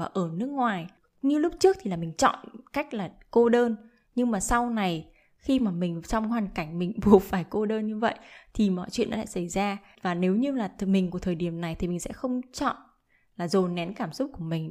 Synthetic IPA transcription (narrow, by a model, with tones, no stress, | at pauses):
aː˨˩ʔəː˧˩nɨ˦˥ək̚ŋwaː˨˩j | ɲɨ˧lʊ˦˥p̚t͡ɕɨ˦˥ək̚t̪ʰi˨˩aː˨˩mï˨˩ŋ̟t͡ɕɔ̰˧˨nka˦˥jk̟̚laː˨˩ | ko˧ɗəː˧n | ɲɨ˧ŋmaː˨˩sa˧wna˨˩j | xi˧maː˨˩mï˨˩ŋ̟t͡ɕɔ˧wŋ͡mhwaː˨˩nka˧˩jŋ̟mï˨˩ŋ̟ɓu˨˩əfaː˧˩jko˧ɗəː˧nɲɨ˧və̰˧˨jʔt̪ʰi˨˩mɔ̰˧˨jt͡ɕwḭ˧˨ənːʔɔ̰˨˧a̰ː˧˨˩sa˧˩jzaː˧ | vaː˨˩ne˨˦wɲɨ˧laː˨˩˨mi˨˩ŋku˧˩t̪ʰəː˨˩jɗi˧˩əmna˨˩jt̪ʰi˨˩mï˨˩ŋ̟sɛ̰˧˥xə˧wŋ͡mt͡ɕɔ̰˧˨n | laː˨˩zo˨˩nɛ˨˦nkaː˧˩msʊ˦˥k͡p̚ku˧˩əmï˨˩ŋ̟